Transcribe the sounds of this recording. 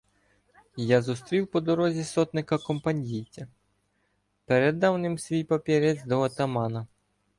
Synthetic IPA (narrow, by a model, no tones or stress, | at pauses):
jazust̪ɾʲiwpɔd̪ɔɾɔzʲisɔt̪nɪkɐkɔmpɐnʲijt͡sʲɐ | peɾed̪ːɑwnɪmsʲʋʲijpɐpʲiɾɛt͡s̪ʲd̪ɔɔt̪ɐmɑnɐ